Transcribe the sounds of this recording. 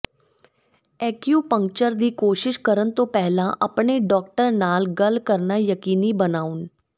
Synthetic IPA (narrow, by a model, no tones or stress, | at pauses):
ɛːkjuːpə̃ŋk̚t͡ʃəɾd̪iːkoːʃɪʃkəɾənt̪õːpɛɦlãʔəpneɖɔːkʈəɾnaːlɡəlkəɾnajəkiːnibənaːʊn